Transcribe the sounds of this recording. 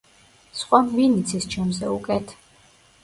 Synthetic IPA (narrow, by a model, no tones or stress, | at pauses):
sχʼwamvinit̪sʰɛst͡ʃʰɛmzɛukʼɛt̪ʰ